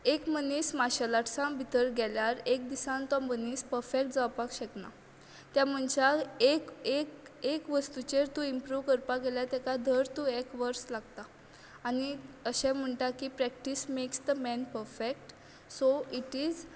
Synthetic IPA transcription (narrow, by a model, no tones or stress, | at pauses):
ekmənismaɕalaʈʰsãbʱit̪əɾɡɛljaɾek̚d̪isãnt̪ãmənispəɾfekʈd͡zawpakɕəkna̰ | t̪jam̤əɳt͡ɕaekekekʋəst̪ut͡ɕeɾt̪ũimpɾuʋkəɾpaɡɛljat̪ɛkad̪ʱəɾt̪ũːekʋəɾslaɡt̪aː | niəɕɛ̃m̤əɳʈakipɾɛk̚ʈismeksd̪əmɛnpəɾfek̚ʈ | soiʈiːd͡z